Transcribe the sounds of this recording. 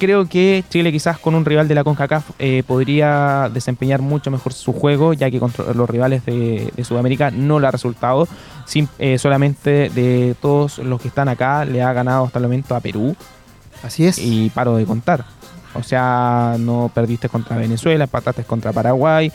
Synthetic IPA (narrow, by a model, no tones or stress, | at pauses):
kɾe̞oket͡ʃile̞kisasko̞nunriβald̪e̞lakoŋkakafepo̞ðɾiaðe̞se̞mpeɲaɾmut͡ʃo̞mexo̞ɾsuxwe̞ɣo̞ʝake̞kont̪ɾo̰losriβale̞zðeðesuðameɾikanolare̞sult̪aðo | simeso̞lame̞nt̪eðet̪o̞ðoslo̞skest̪anakaleaɣanaðoast̪aelmome̞nt̪oape̞̰ɾu | asiesipaɾoðeko̞nt̪aɾ | o̰seanopeɾðist̪e̞ko̞nt̪ɾaβe̞ne̞swe̞laempat̪at̪ehko̞nt̪ɾapaɾaɣwaj